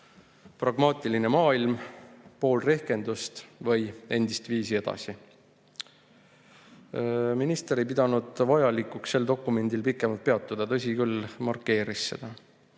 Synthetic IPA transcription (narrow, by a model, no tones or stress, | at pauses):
prɑɡ̥mɑːt̪ʲːˑiline̞mɑːilmpo̞ːlre̞hke̞nd̪̥ust̪vɤ̞je̞nd̪̥ist̪viːsie̞d̪̥ɑ̰si | minist̪eɾejp̬id̪ɑnud̪̥vɑjɑlikːuksːe̞ld̪o̞kːˑume̞nd̪̥ilpikːˑe̞mɑlt̪̚pe̞ɑt̪ˑːud̪̥ɑt̪ɤs̬ʲikylːmɑrkːe̞ːɾisːe̞̰d̪̥ɑ